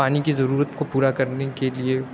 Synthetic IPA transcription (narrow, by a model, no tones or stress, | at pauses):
aːnikizɐɾuːɾət̪kopuːɾakɐɾnekelie